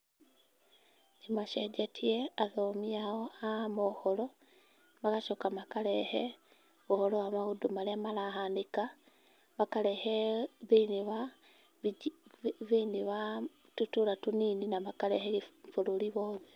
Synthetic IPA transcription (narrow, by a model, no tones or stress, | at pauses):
nimaʃeɟatʰieaðomiaoamoholo | makaʃokamakalehe | βuholoamaɣudumaleamalaɦaːndika | βakaleheβiniβa | βiniβa | tutulatuniːninaβakaleheifululiβoːðe